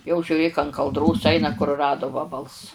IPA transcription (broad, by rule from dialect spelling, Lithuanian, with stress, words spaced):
jɛʊ ʒʲʊˈrʲeːk ɐn kɐlˠˈdroːs ˈɐɪnɐ kʊrʊˈrɑːdʊ ˈʋɑːbɐlˠs